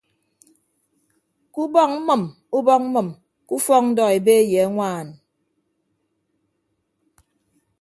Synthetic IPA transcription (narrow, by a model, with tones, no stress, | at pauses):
ku˦bɔ˦˨ŋm̩˦mɨ˨m | u˦bɔ˦k̚m̩˦mɨ˨m | ku˦fɔ˦ŋn̩˦dɔ˨e˨be˦je˨a˦ŋʷaː˦˨n